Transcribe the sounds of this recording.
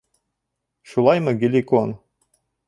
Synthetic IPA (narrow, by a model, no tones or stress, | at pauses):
ʃulˠɑjmɤ̆ɡʲilʲikon